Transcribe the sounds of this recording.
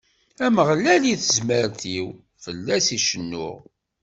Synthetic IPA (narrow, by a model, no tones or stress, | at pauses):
æməʁlæliθəzməɾt̪iw | fəlːæsiʃənːʊ̰ʁ